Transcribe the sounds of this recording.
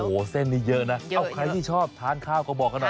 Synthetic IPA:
oː˨˩se˥˩nːiː˦˥˩jɤ˦˥ʔna˦˥ʔa˧˩wkʰɾa˧jt̪ʰiː˥˩t͡ɕʰɔː˥˩p̚t̪ʰaː˦˥nkʰaː˥˩wkɔ˥˩bɔː˨˩kʔa˧nɔ˨˩

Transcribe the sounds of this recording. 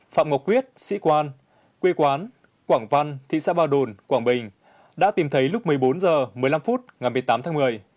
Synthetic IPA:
fa̰ː˧˨mŋɔ˨˩k͡p̚kːwi˦˥ət̚sḭ˧˥kwaː˧n | kwe˧kwaː˨˦n | kwaː˧˩ŋva˧nt̪ʰḭ˧˨sa̰ː˧˥ɓaː˧˩wɗo˧˩nkwaː˧˩ŋɓï˨˩ŋ̟ | ɗa̰ː˧˥t̪i˨˩mt̪ʰə˨˦jlʊ˦˥k͡p̚mɨ˨˩əjɓo˨˦nzəː˨˩mɨ˨˩əjla˧mfu˦˥t̚ŋa˨˩jmɨ˨˩əjt̪aː˨˦mt̪ʰaː˨˦mɨ˨˩əj

